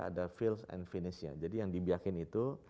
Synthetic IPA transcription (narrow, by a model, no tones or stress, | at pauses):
a̰dafilsɛ̰nfinisia̰d͡ʒadijaŋdibiakɪnit̪u